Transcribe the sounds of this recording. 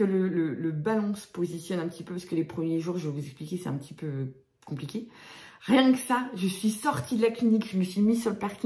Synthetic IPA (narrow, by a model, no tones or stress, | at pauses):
ələlələbalɑ̃sə̥pozisjɔnɛ̃pət̪ipøpaʁsə̥kəlepχəmjeʒuʁʒəvuzɛksplikʲesɛt̪ɛ̃pət̪ipø | kɔ̃plikʲeʁjɛ̃kə̥saʒəsɥisɔʁt̪ʰid̪əlaklinikʒəməsɥimisyʁləpaʁkʲi